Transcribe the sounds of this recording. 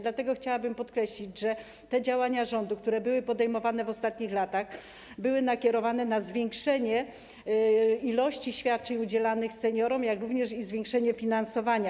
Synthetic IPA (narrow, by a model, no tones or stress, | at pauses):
d̪lat̪ɛɡɔxt͡ɕawabɘmpɔt̪kɾɛɕlʲid͡ʑʐɛ | t̪ɛd͡ʑawaɲaʐɔnd̪uk̚t̪uɾɛbɘwɘpɔd̪ɛjmɔvanɛvɔst̪at̪ɲixlat̪ax | bɘwɘnakʲɛɾɔvanɛnazvʲjɛŋkʂɛɲɛ | ilɔɕt͡ɕiɕfʲjat̪̚t͡ʂɛɲud͡ʑɛlanɘxsɛɲɔɾɔmjakɾuvɲɛʂizvʲjeŋkʂɛɲɛfʲinansɔvaɲa